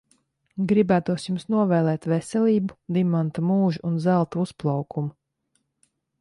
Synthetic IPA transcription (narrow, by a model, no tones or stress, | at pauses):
ɡɾibæːt̪uɔsjumsnuɔvɛːlˠɛːt̪vesɛlʲiːbud̪imant̪umuːʒuʔunzælˠt̪uusplˠawkumu